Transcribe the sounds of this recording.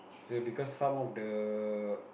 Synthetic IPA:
sobikɔsːãmɔfdə

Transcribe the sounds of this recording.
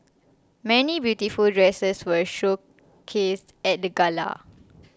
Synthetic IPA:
mɛnibjutifuldɹɛsəswəʃok | kʰːestɛt̚dəɡala̰

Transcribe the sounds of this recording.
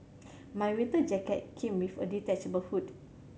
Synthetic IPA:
mãjwĩnt̪əd͡ʒɛkɛt̚kʰĩmwifɔ̰dit̪ɛt͡ʃbəlhut

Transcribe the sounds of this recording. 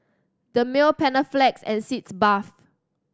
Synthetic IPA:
d̥əmɪlpʰɛnəflɛksɛ̰̃nsitsbaf

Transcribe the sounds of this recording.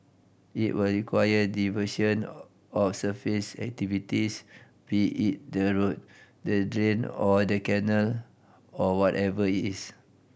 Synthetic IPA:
ḭtwilɹikʰwajədivəʃɔ̃n | ɔfsəfisɛ̰k̚tivitis | biʔit̚dəɹot̚dədɹẽnɔdəkɛnəl | ɔwɔtɛvəitis

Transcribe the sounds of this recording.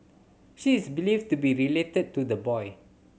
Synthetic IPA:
ʃiɪsbilivtubiɹiletəd̚tudəbɔj

